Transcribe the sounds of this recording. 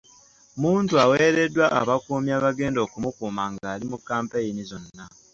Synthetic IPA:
muːntuaweːɾe̞dːwaʔa̰βakuːmjaːβaɡe̞ːndo̞ːkumukuːmaːŋɡaːlimukːaːmpajinizo̞nːa

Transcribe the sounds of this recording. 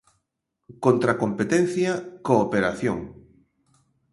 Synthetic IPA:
kont̪ɾakompet̪en̟θjɐkoːpeɾaθjo̰ŋ

